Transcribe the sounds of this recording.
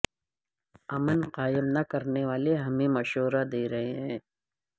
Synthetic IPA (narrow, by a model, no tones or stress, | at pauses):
ɐmənqaːɪmnɐkɐɾneʋaːleɦɐmẽmɐʃoːɾad̪eːɾɐɦeɦɛ̃ː